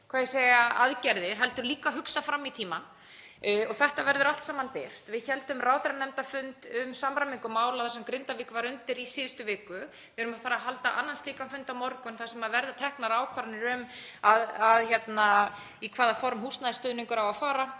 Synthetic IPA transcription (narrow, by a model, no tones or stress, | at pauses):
kʰvaːðjɛseːjaʔaðcɛɾðɪ̥ɦɛlt̪ʏɾliːkaɦʏksafɾamːit̪ʰiːman | ɔɣθɛht̪avɛɾðʏɾalt̪saːmanpɪft̪vɪðçɛlt̪ʏmraːwθɛɾanɛmt̪afʏnt̪ʏmsamɾamiŋkʏmaːwlawθasɛmkɾɪnt̪avɪkvaɾʏnt̪ɪɾisɪːðʏst̪ʏvɪːkʏ | vɪðɛɾʏmafaːɾaɦal̪t̪aʔa̰nːanst̪liːkafʏnt̪awmɔɾkʏnθasɛmaðvɛɾðat̪ʰɛhknaɾaːwkʰaɾnɪɾʏm | aðaðçɛt̪na | ikʰv̥aːðafɔɾmhust̪naðɪst̪œːðnɪŋkʏɾawaðfaːɾa